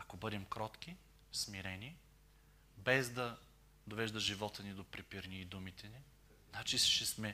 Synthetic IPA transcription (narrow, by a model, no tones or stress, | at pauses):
ɐkobɤd̪ɛmkɾɔt̪k̟i | smiɾɛni | bɛzd̪ɐ | d̪ovɛʒd̪ɐʒivɔt̪ənid̪opɾipiɾniːd̪umit̪ɛni | znat͡ʃiʃɛsmɛ